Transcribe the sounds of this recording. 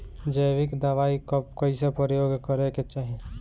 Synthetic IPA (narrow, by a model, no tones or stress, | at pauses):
d͡ʒəjʋɪkd̪əʋaikɔpkəisepɾjoːɡkəɾeket͡ʃaːɦe